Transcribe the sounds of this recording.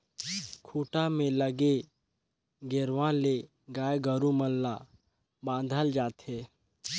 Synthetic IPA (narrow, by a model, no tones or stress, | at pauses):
kʰuːʈamẽləɡe | ɡeɾʋãle | ɡaːjɡəɾuməlːa | bãːnd̪ʱəld͡ʒaːt̪ɦeː